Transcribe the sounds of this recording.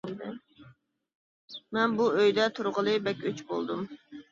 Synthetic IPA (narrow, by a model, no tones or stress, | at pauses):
d̪ɨ | mɛnbuøjd̪ɛt̪ʰuɾʁəlˠɨbɛkʲøt͡ʃbolˠd̪um